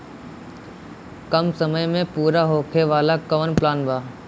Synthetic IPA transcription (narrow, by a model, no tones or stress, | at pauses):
kəmsəməjmẽpuːɾaɦoːkʰeʋaːlakəʋənplaːnbʱaː